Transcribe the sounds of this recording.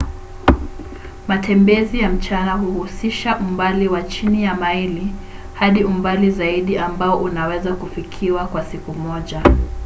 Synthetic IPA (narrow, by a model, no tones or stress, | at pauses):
matʰɛmbɛzijam̩t͡ʃanahuhusiʃaʔumbaliwat͡ʃinijamaili | haɗiumbalizaiɗiambaɔʔunawɛzakufikʰiwakwasikumɔʄa